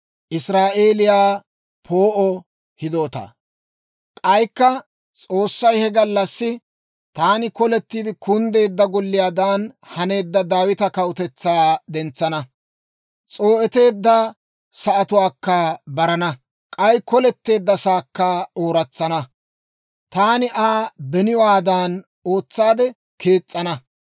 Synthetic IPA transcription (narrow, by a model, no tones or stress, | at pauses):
ʔɪsɾaːʔe̞ːlɪjaː | pʰoːʔɔ | hɪd̪o̞ːt̪a̰ː | kʼɐjkːɐ | t͡sʼo̞ːsːɐjhɛɡɐlːɐsːɪ | t̪aːnɪkɔlɛt̪ːiːd̪ɪkʊnd̪e̞ːd̪ːɐɡɔlːɪjaːd̪aːnhɐne̞ːd̪ːɐd̪aːwɪt̪ɐkɐwʊt̪ɛt͡sːaːd̪ɛnt͡sːɐnɐ | t͡sʼo̞ːʔɛt̪e̞ːd̪ːɐ | sɐʔːt̪ʊwaːkːɐbɐɾɐnɐ | kʼɐjkɔlɛt̪ːe̞ːd̪ːɐsaːkːɐoːɾɐt͡sːɐnɐ | t̪aːnɪʔaːbɛnɪjwaːd̪aːn | o̞ːt͡sːaːd̪ɛ | kʰe̞ːt͡sʼːɐnɐ